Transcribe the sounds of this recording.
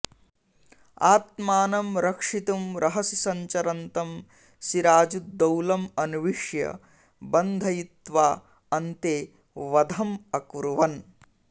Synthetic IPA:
aːt̪̚maːnɐmɾɐkʂit̪umɾɐɦɐsisɐɲt͡ʃɐɾɐnt̪ɐm | siɾaːd͡ʒud̪ɐwlɐmɐnuʋiʂjɐ̰ | bɐnd̪ʱɐjit̪ʋaː | ɐnt̪eː | ʋɐd̪ʱɐmɐkuɾuʋɐn

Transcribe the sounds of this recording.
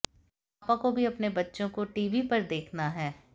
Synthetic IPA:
aːpãkobʱiɐpnebɐtːʃõkoʈiːʋipɐɾd̪eːkʰnaɦɛː

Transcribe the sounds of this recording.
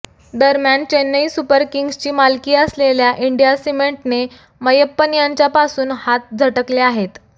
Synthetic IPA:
d̪əɾmjant͡ɕenːəisupəɾkiŋɡst͡ɕiːmalkiːəsleljaʔiɳɖijasimeɳʈne | məjəpːənijaɲt͡ɕjapasuːnhat̪̚d͡zʱəʈəkleaɦet̪

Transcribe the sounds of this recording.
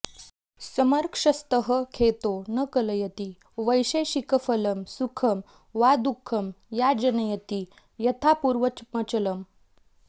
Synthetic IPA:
səməɾkʂəst̪əɦəkʰet̪onəkələjət̪i | ʋəjɕeɕikəfələmsukʰəm | ʋad̪ukʰːəm | jad͡ʑənəjət̪i | jət̪ʰapuːɾʋəmət͡ɕələm

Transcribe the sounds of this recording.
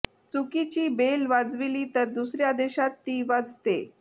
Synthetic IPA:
t͡sukit͡ɕiːbelʋad͡zʋiliːt̪əɾd̪usɾjad̪eɕat̪ːiːʋad͡zt̪e

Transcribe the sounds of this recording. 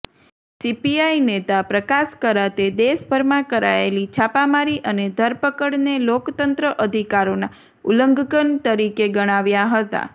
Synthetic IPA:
sipiainet̪apɾəkaskəɾat̪ed̪eʃbʱəɾmãkəɾa̰ḛlit͡ʃʰapamaɾiʔəned̪ʱəɾpəkəɽnelokt̪ənt̪ɾəʔəd̪ʱikaɾona | uləŋɡkənt̪əɾikeɡəɽ̃aʋjaɦət̪a̰

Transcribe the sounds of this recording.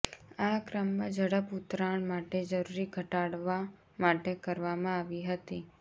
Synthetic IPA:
akɾəmːãd͡ʒəɽəput̪ɾaɳmaʈed͡ʒəɾuɾiɡʱəʈaɽʋa | maʈekəɾʋamãaʋiɦət̪i

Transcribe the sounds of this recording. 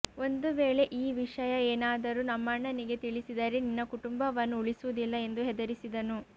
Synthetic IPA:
o̞nd̪uʋeːɭe̞ʔiːʋiʂɐjɐeːnaːd̪ɐɾuːnɐmːɐɳːɐniɡe̞t̪iɭisid̪ɐɾeninːɐkuʈumbɐʋɐnːuuɭisuʋud̪ilːɐe̞nd̪uɦɛd̪ɐɾisid̪ɐnu

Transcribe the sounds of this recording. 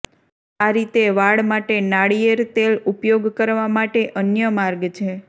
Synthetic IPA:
aɾit̪eʋaɭmaʈenaɽijəɾt̪elupjoɡkəɾʋamaʈeʔənjəmaɾɡt͡ʃʰe

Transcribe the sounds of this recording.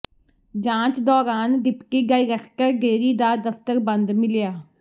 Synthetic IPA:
d͡ʒãːt͡ʃd̪ɔːɾaːnɖɪpkiːɡaːiːɾəkʰkəɾɡeːɾiːd̪aːd̪əft̪əɾbə̃nd̪mɪljaː

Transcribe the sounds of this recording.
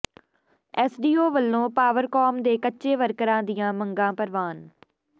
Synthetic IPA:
ɛːsɖiːoːʋəlːõːpaːʋəɾkɔːmd̪eːkətːʃeːʋəɾkəɾãːd̪ɪjãːmə̃ŋɡãːpəɾʋaːn

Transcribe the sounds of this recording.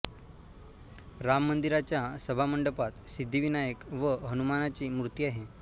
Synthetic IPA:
ɾamːənd̪iɾat͡ɕjasəbʱaməɳɖəpat̪sid̪ʱːiʋinajəkʋəɦənumanat͡ɕiːmɾut̪iːaɦe

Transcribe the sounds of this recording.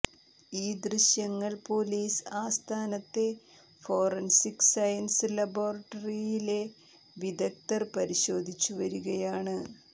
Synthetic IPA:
iːd̪riɕjɐŋːɐɭpo̞ːliːsaːst̪ʰaːnɐt̪ːe̞ | fo̞ːrɐnsiksɐjɐnsɨlɐboːrɐʈːɐrijile̞ | ʋid̪ɐk̚t̪ɐrpɐɾiɕo̞ːd̪ʱit͡ɕːuʋɐɾuɣɐjaːɳɨ

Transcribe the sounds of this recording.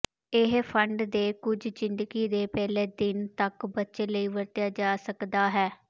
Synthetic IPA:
ɪɦpʰəɳɖd̪eːkʊd͡ʒzɪnd̪əɡiːd̪eːpɛːleːd̪ɪnt̪əkbətːʃeːləiːʋəɾt̪jaːd͡ʒaːsəkd̪aːɦɛː

